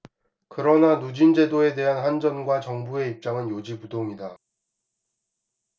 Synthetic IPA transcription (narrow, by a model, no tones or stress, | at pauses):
kɯɾʌnanud͡ʑind͡ʑe̞doe̞de̞ɦanɦand͡ʑʌnɡwat͡ɕʌŋbue̞ip̚t͡ɕ͈aŋɯnjod͡ʑipudoŋida